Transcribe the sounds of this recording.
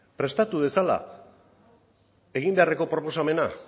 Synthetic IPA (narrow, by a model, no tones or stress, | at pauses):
pɾe̞st̪at̪uðe̞sala̰ | e̞ɣimbe̞areko̞pɾo̞po̞same̞na